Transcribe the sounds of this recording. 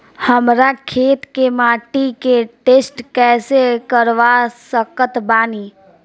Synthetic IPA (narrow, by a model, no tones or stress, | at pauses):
həmɾakʰeːt̪kemaːʈikeʈeːsʈkɛːsekəɾʋasəkət̪baːniː